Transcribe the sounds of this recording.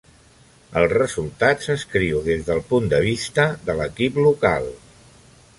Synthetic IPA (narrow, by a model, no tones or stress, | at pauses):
əlˠzrəzulˠt̪asəskɾiwðezðəlˠpund̪əβ̞ist̪əðələkipluka̰lˠ